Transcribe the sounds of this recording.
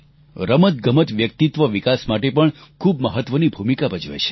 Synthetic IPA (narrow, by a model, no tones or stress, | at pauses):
ɾəmət̪ɡəmət̪ʋjəkt̪it̪ʋəʋikasmaʈepəɳkʰubməɦət̪ʋənibʱumikabəd͡ʒʋḛt͡ʃʰe̥